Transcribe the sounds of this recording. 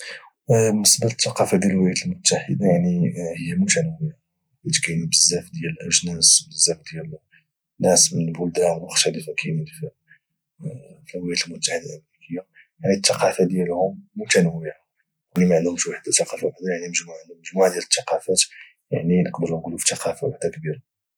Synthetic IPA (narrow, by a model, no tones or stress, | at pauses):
nəsbələt̪ːɑqɑfad̪jælwlæjæt̪əlmʊt̪ːaħəd̪ajaʕnihəjːæmut̪ænəwəja | wæt̪kæjnbəzːæfd̪jæləlʔæʒnæsbəzːæfd̪jæl | nːæsmənəlbʊld̪ænwəxt̪æləfakʰæjmf | filwjæt̪əlmʊt̪ːaħəd̪alʔəmɾikʰəjːa | jaʕnit̪ːɑqɑfad̪jælhʊmːut̪ænəwəa | kulːimaʕənd̪hʊmʃwaħd̪at̪ːɑqɑfawħd̪ajaʕniməʒmuʕənd̪ʊməʒmuʕad̪jælət̪ːɑqɑfæt̪ | jaʕninəqd̪əɾʊnɡulufi̥t̪ːɑqɑfawaħd̪akbiɾa